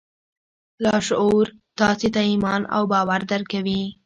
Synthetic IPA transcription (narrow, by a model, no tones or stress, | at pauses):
lɑʃuɾt̪ɑset̪aimɑna̰wbɑwaɾd̪əɾkawi